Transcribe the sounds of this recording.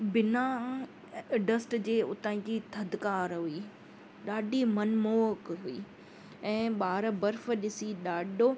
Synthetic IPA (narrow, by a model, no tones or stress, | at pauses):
bɪna | ɖəsʈd͡ʑeːʊt̪aːĩd͡ʑit̪ʰɐd̪kaːɾɦʊiː | ɗaːɖimɐnmoːkɦʊiː | ɛ̃ːɓaːɾbɐɾfɗɪsiɗaːɗoː